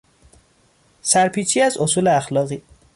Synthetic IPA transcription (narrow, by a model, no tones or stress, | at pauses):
sæɾpʰiːt͡ʃʰiːæzosuːleæxlɒːɣiː